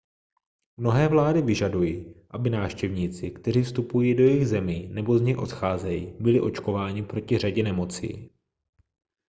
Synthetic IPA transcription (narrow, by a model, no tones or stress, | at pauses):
mno̞ɦɛːvlaːdɪvɪʒadujiːʔabɪnaːfʃcɛvɲiːt͡sɪkt̪ɛɾ̝iːfst̪upujiːdo̞jɛɪjɣzɛminɛbo̞zɲɛjʔo̞̰t̪xaːzɛjiːbɪlɪʔo̞t͡ʃko̞vaːɲɪpɾo̞cɪr̝aɟɛnɛmo̞t͡sḭː